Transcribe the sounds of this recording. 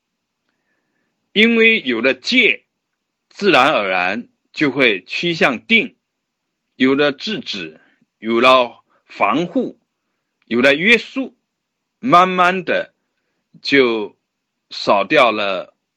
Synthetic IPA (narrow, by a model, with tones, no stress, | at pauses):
i˥nwe˥˩ɪjo˨˩ʊd̪ə˦t͡ɕjɛ˥˩ | t͡sɹ̩˥˩ɻa˧˥nə˞˨˩ɻa˧˥n | t͡ɕjo˥˧ʊxwe˥˩ɪt͡ɕʰi˥ɕ̬jɑ˥˧ŋt̪i˥˩ŋ | jo˨˩ʊd̪ə˦ʈ͡ʂɻ̩˥˩ʈ͡ʂɻ̩˨˩ | jo˨˩ʊlə˧˩ | fɑ˧˥ŋxu˥˩ | jo˨˩lə˧ɥɛ˥su˥˩ | ma˥˧nma˥˩nd̪ə˨˩ | t͡ɕjo˥˩ʊ | ʂɑ˨˩ʊt̪jɑ˥˩ʊlə˩